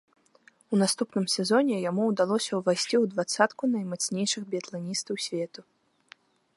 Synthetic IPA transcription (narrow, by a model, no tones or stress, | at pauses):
unast̪upnɨmsʲɛzɔnʲɛjamud̪alˠɔsʲɐwvajsʲt͡sʲiwd̪vat̪sːat̪kunɐjmat̪snʲejʂɨxbʲɛt̪lˠanʲist̪ɐwsʲvʲɛt̪u